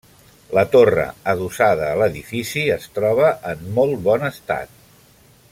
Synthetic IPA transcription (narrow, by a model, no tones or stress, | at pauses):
lət̪orə̰əðusaðəːləðifisiəst̪ɾɔβ̞əʔəmːɔlˠt̪̚bɔnəst̪a̰t̪̚